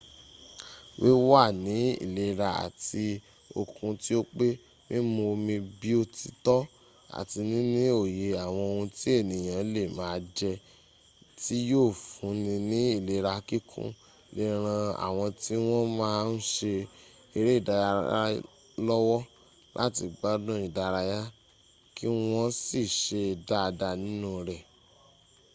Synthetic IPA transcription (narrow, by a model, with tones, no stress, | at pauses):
we˦wa˦˨nĩ˨˦ḭ˦˨le˧˦ɾa˧a̰˨ti˧ | o̰˨kũ˧ti˦o˦k͡pe˦ | mĩ˦mo˧mĩ˧bi˦o˧ti˧tɔ˦ | a̰˨ti˧nĩ˦nĩ˦o˦˨je˨a˨w̃ɔ̃˧o˧hũ˧ti˦e˦˨nĩ˨j̃ã˨˦le˦˨mãː˨˦˧d͡ʒɛ˧ | ti˦joː˦˨fũ˨˦nĩ˧nĩ˦i˦˨le˨˦ɾa˧˦ki˦kʰṵ̃˦ | le˦ɾ̃ã˧a̰˨w̃ɔ̃˧ti˦w̃ɔ̃˦mãː˦˧n̩˦ʃe˧ | e˧ɾe˦i˦˨da˨˧ja˧a̰˦ | lɔ˦wɔ˦ | lʔa̰˦ti˧ɡ͡ba˦dũ˦i˨da˨˧ɾa˧ja˦ | ki˦w̃ɔ̃˦si˦˨ʃe˧˨da˦˧da˧nĩ˦nũ˦ɾɛ˨